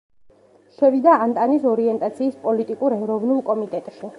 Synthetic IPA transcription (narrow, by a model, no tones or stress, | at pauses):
ʃɛvid̪aːnt̪ʼanisɔɾiɛnt̪ʼat̪sʰiːspʼɔlit̪ʼikʼuɾɛɾɔvnulˠkʼɔmit̪ʼɛt̪ʼʃi